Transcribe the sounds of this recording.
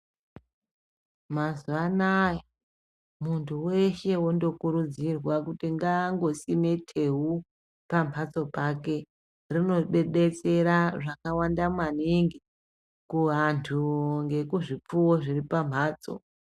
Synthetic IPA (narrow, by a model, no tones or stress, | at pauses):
mazuanaja | muntʰuwe̞ʃe̞wondo̞kuɾud͡zirwakutiŋɡaŋɡo̞sime̞tʰeɦu | pambʱat͡so̞pake̞ | rino̞ɓe̞ɗe̞t͡se̞ɾaʐakawandamwaniŋɡi | kuɦantʰuŋɡe̞kuʐip͡fuwo̞ʐiripambaːt͡so̞̰